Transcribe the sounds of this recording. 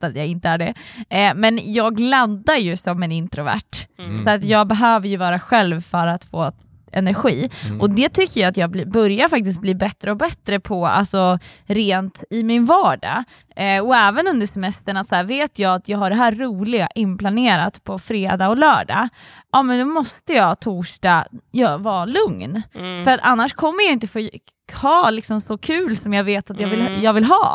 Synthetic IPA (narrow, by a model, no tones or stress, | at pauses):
at̪jaːɡɪnt̪əæɖɛmɛnjɑːɡlad̪aɾjɵsɔmɛnɪnt̪ɾʊvæ̰ʈːsɔat̪jɑːɡ̚bɛɦøːvəɾjɵvɑːɾaɧɛlvfœɾat̪foː | ɛ̰næɾɧiːʔɔd̪ɛt̪ʰʏkːəjaat̪jɑːɡblibœɾjaɾfak̚t̪ɪst̪̚bliːbɛt̪ːɾəɔbɛt̪ːɾəpʰɔa̰lsɔɾeːnt̪ɪmɪnvɑːɖa̰ | ʔɔɛːvənɵnd̪əʂsɛmɛst̪əɳat̪sɔæːɾveːt̪ʰjɑːat̪ʰjɑːɡhaɖɛɦæːɾːuːlɪɡa̰ʔɪnːpʰlaneːɾat̪pʰɔfɾeːd̪ɑːɔlœːɖɑ̰ːʔɑːmɛnd̪ɔmɔst̪əjɑːt̪ʰuːʂʈɑːjɑvɑːlɵŋnfœɾat̪a̰nːaʂkʰɔmːəɾjaɪnt̪əfoː | hɑːlɪksɔmsɔkʰʉ̟ːlsɔmjɑːɡveːt̪at̪jɑːvɪljɑːɡvɪlɦɑ̰ː